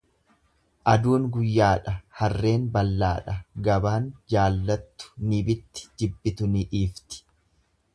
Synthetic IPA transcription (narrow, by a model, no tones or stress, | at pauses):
ʔɐd̪uːnɡʊjːaːᶑɐhɐrːe̞ːnbɐlːaːᶑɐɡɐbaːnd͡ʒaːlːɐt̪ːʊ̥nɪbɪt̪ːɪ̥d͡ʒɪbːɪt̪ʊnɪᶑiːft̪ɪ̥